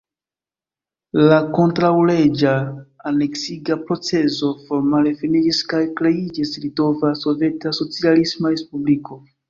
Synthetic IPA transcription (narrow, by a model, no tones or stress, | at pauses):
lako̞ntɾawle̞d͡ʒaːne̞ksiɡapɾo̞t͡se̞zo̞fo̞ɾmale̞finid͡ʒiskajkɾe̞id͡ʒisɾito̞vaso̞ve̞taso̞t͡sialismaɾe̞spubliko̞